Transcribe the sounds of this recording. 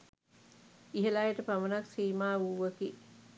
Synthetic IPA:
iɦelaeʈəpamənaksiːmaːuːʋəki

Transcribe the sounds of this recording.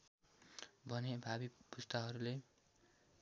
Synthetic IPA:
bʱʌnebʱabipust̪aɦʌɾule

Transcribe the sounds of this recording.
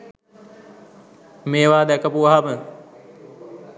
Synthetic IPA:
meːʋaːd̪ɛkəpuʋaɦamə

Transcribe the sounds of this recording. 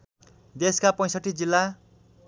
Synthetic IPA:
d̪eskapʌ̃j̃sʌʈːid͡zilːa

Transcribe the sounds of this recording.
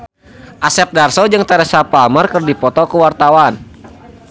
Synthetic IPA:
ʔasɛp̚darsɔd͡ʒɨŋt̪aɾəsapalmərkərdipɔt̪ɔkəwart̪awan

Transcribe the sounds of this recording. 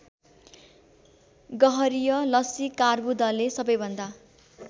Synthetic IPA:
ɡʌɦʌɾijʌlʌsikarbud̪ʌlesʌbʌjbʱʌnd̪a

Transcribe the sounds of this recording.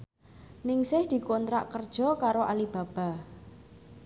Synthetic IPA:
nɪŋsɪhd̪̥i̤kɔnt̪ɾa̰ʔkərd̥ʒ̥ɔ̤kaɾoʔalib̥a̤b̥a̤

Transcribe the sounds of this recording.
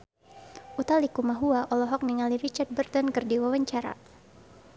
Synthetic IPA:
ʔut̪alikumaɦuaʔɔlɔɦɔk̚niŋaliɾit͡ʃard̚bərt̪ɔnkɨrdiwawaɲt͡ʃaɾa̰

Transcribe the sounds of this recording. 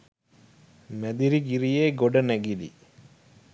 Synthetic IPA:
mæd̪iɾiɡiɾijeːɡoɖɐnæɡilḭ

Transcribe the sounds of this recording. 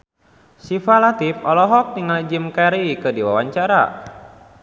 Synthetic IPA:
sifalat̪ipɔlɔɦɔk̚niŋald͡ʒimkaɾikədiwawaɲt͡ʃaɾa̰

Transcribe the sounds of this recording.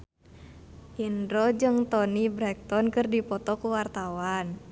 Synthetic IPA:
ʔindɾod͡ʒɨŋt̪ɔnibɾɛk̚t̪ɔnkɨrdipɔt̪ɔkuwart̪awan

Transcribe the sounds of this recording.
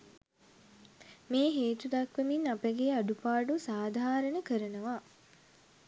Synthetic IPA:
meːɦeːt̪ud̪ɐkʋeminapəɡeːaɖupaːɖusaːd̪ʱaːɾənəkəɾənəʋa

